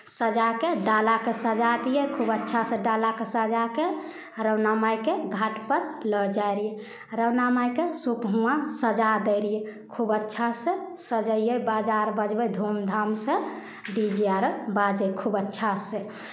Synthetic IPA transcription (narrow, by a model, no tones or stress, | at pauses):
səd͡ʒakeɖalakesəd͡ʒad̪ijəkʰubətːʃʰaseɖalakesəd͡ʒake | ɾəwnamajkeɡʱaʈpəɾləd͡ʒaeɾije | ɾəwnamajkesukɦũasəd͡ʒad̪əɾijekʰubətːʃʰasẽsəd͡ʒəjjəbad͡ʒaɾbəd͡ʒbəd̪ʱomd̪ʱamse | ɖid͡ʒiaɾbad͡ʒəkʰubətːʃʰasẽ